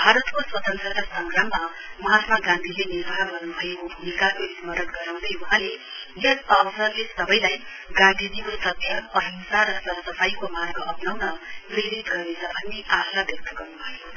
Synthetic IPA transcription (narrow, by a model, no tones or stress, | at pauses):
bʱaɾʌt̪koswʌt̪ʌnt̪rʌkasʌŋɡramːa | mʌɦat̪maɡãnd̪ʱileniɾbaɦaɡʌrnubʱʌekobʱumikaʔoismʌɾʌnɡʌɾaw̃d̪ʌjuɦãle | jʌsʌbsʌrlesʌbʌjlaj | ɡãnd̪ʱidikosʌb̪ʱjʌʌɦʌnusarʌsʌsʌpʰaikomarɡʌpnʌwnʌpriɾit̪ɡʌrnet͡sʰʌbʱʌnːeʔasabjʌk̚t̪ʌɡʌrnubʱʌjo